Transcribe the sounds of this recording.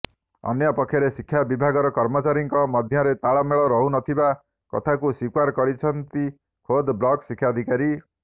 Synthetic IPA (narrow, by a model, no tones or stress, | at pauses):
ɔ̰njɔpɔkʰːjɔɾesikʰːjabibʱaɡɔɾɔkɔɾmɔt͡ʃaɾiŋkɔmɔd̪ʱjɔɾet̪aɭɔmeɭɔɾɔɦunɔt̪ʰiba | kɔ̰t̪ʰakusikwaɾkɔɽit͡ʃʰɔnt̪i | kʰod̪blɔksikʰːjad̪ʱikaɾi